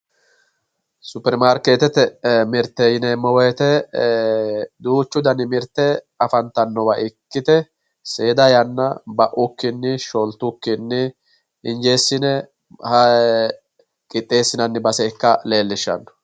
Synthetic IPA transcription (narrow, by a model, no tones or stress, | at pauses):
sʊpːɛɾmaːɾkeːt̪ɛt̪ɛmɪɾt̪ːɛjɪnemːɔwɛːt̪ɛ | d̪uːt͡ʃːʊd̪ɐnɪmɪɾt̪ːɛ | ɐfɐnt̪ːɐnːɔwɐʔɪkːɪt̪ɛ | seːd̪ɐjɐnːɐbɐʔʊkːɪnːɪʃɔlt̪ːʊkːɪnːɪ | ɪnd͡ʒe̞ːsːɪnɛ | hɐ | kʼɪt̪ʼːe̞ːsːɪnɐnːɪbɐsɛkːɐle̞ːlːɪʃːɐ̰nːɔ̥